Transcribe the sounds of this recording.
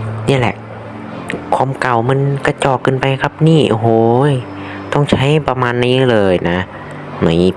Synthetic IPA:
niː˧˩lɛ̰˧˩ʔ | kʰwaː˧˥˨mka˨˩wma˧˥nka˧˩t͡ɕɔː˨˩kːɯː˧˨npa˧jkʰa˦˥p̚niː˥˩ʔo˧ɦoː˨˦˧j | t̪ɔ˧˥˩ŋt͡ɕʰa˦˥jpa˧maː˧nːiː˦˥˩lɤː˧jna˦˥ | na˨˦˧

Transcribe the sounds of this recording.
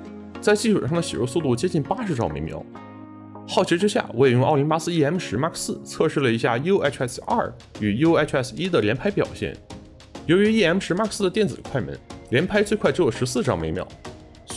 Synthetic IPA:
t͡sa˥˧ɪt͡ɕi˥˩ʂʰə̰˨˩ʂɑ˥˩d̪ə˩ɕi˨˩ɻo̰˧˥su˧t̪u˥˩t͡ɕjɛ˥t͡ɕi˥˩npa˥ʂɻ̩˧˥ʈ͡ʂɑ˥˩ŋme˧˥mjɑ̰˧˥ʊ | xɑ˥˩ʊt͡ɕʰi˧˥ʈ͡ʂɻ̩˥ɕja̰˥˩wɔ˧˥ɛ˨˩jʊ˧ŋʔɑ˥˩ʊli˧˥npa˥sɹ̩˥i˥˩ɛ˥mʂɻ̩˧˥ma˥˧kʰsɹ̩˥˩t͡sʰɤ˥˧ʂɻ̩˥˩lə˩i˧˥ɕja˥˩jo˥ɛ˥ʈ͡ʂʰɛ˥˩sɐ̰˞˥˩ | y˨˩jo˥ʊɛ˥˩ʈ͡ʂʰɛ˥˩si˥d̪ə˨ljɛ˧˥npʰa˥ɪpjɑ̰˨˩ʊɕjɛ̰˥˩n | jo˧˥ʊy˧˥i˥˩ɛ˥m˩ʂɻ̩˧˥ma˥kʰsɹ̩˥ə˧t̪jɛ˥˩nt͡sɹ̩˨˩kʰwa˥˩ɪmə̰˧˥nljɛ˧˥npʰa˥ɪt͡swe˥˧kʰwa˥˩ɪt͡ɕo˧˥ʊjʂɻ̩˧˥sɹ̩˥˧ʈ͡ʂɑ˥˩ŋme˧˥ɪmjɑ̰˧˥ʊ

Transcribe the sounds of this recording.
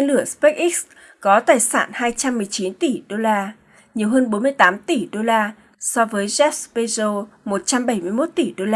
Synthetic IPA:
e˧nlɨ˧˩əspe˦˥k̚ʔi˦˥k̚s | kɔ˨˦t̪aː˨˩jsa̰ː˧˩nhaː˧jt͡ɕa˧mːɨ˨˩əjt͡ɕi˨˦nt̪i˧˩ɗo˧laː˧ | ɲi˨˩əwɦəː˧nɓo˨˦nmɨ˧əjt̪aː˨˦mt̪i˨˩ɗo˧laː˧ | sɔ˧vəː˨˦jzɛ˦˥t̚spe˧zo˧mo˨˩t̚t͡ɕa˧mɓa˧˩jmɨ˧əjmo˦˥t̚t̪i˧˩ɗo˧laː˧

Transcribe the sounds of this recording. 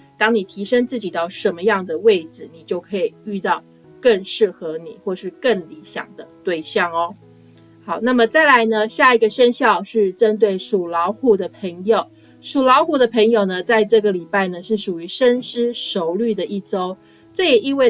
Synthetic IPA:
t̪ɑ˥ŋni˨˩t̪ʰi˧˥ʂə˥ŋt͡sɹ̩˥˩t͡ɕi˨˩t̪ɑ˥˩ʊʂə˧˥nmə˧jɑ˥˩ŋd̪ə˩we˥˩ɪd͡zɹɻ̩˨˩ni˨˩t͡ɕjo˥˩ʊkʰɤ˧˥i˨˩y˥˧t̪ɑ˥˧ʊ | kə˥˧ŋʂɻ̩˥˩xɤ˧˥nḭ˨˩xwɔ˥˧ʂɻ̩˥˧kə˥˩ŋli˧˥ɕjɑ̰˨˩ŋd̪ə˦t̪we˥˧ɪɕjɑ˥˩ŋɔ˦ | xɑ˨˩˦ʊna˥˩mə˨t͡sa˥˩ɪla˧˥ɪnə˧ɕja˥˩i˧˥ɡə˧ʂə˥nɕjɑ˥˧ʊʂɻ̩˥˩ʈ͡ʂə˦nt̪̬we˥˩ɪʂu˨˩lɑ˧˥ʊxu˨˩d̪ə˨pʰə˧˥ŋjo˨˩ʊ | ʂu˨˩lɑ˧˥ʊxu˥˩d̪ə˨pʰə˧˥ŋjo˨˩ʊnə˩t͡sa˥˧ɪʈ͡ʂɤ˥˩ɡə˩li˨˩pa˥˩ɪnə˩ʂɻ̩˥˩ʂu˨˩y˧˥ʂə˥nʂɻ̩˥ʂo˧˥ʊly˥˩d̪ə˩ʔi˥˩ʈ͡ʂo˥ʊ | ʈ͡ʂɤ˥˩jɛ˨˩i˥˧we˥˧ɪ

